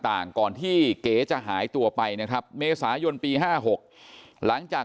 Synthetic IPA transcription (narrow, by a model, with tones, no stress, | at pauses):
t̪aː˨˩ŋkɔː˨˩nt̪ʰiː˥˩keː˩˦t͡ɕa˨˩ʔɦaː˩˦jt̪u˧ɐpa˧jna˦˥kʰɾa˦˥p̚meː˧saː˩˦jo˧npiː˧ɦaː˥˩ɦo˨˩k̚la˩˦ŋt͡ɕaː˨˩